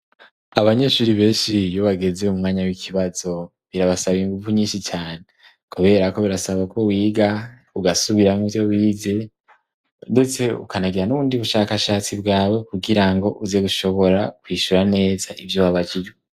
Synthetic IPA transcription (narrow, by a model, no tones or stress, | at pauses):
aβaɲe̞ʃuɾiβe̞ːnʃijoβaɡe̞ze̞umŋaːɲawikʰiβazo̞ | βiɾaβasaβiŋɡuvuɲiːnʃit͡ʃaːne | kuβe̞ɾako̞βiɾasaβakʰo̞wiːɡa | uɡasuβiɾamijo̞wiːze̞ | dut͡se̞ṵkanaɡiɾanuβuːndiβuʃaːkaʃaːt͡sibɡaːwe̞kuɡiɾaŋɡo̞ʔuze̞ɡuʃo̞βo̞ɾakwiːʃuɾane̞ːzaʔivjowaβaɟiɾo